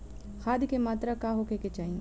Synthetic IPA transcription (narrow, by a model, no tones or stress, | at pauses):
xaːd̪kemaːt̪ɾakaɦoːkeket͡ʃaːĩ